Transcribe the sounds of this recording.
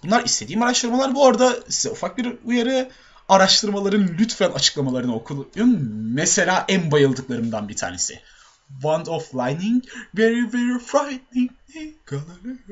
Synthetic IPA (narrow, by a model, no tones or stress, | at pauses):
b̥unlˠaɾist̪ed̪iːmaɾaʃt̪ʰɯɾmalˠaɾbuoɾd̪asi̥zɛufak̚biɾujaɾɯ | aɾaʃt̪ʰɯɾmalˠaɾɯnlʲyt̪fɛlʲat͡ʃʰɯ̥klˠamalˠaɾɯnokʰulˠunmese̞lʲaːʔænbajɯlˠd̪ɯklˠaɾɯmd̪anbit̪ʰa̰ːnesɪ̰ | vand̪ɔflˠajniŋvɛɹivɛɹifɾajtnɪŋ | iɡ̥alˠal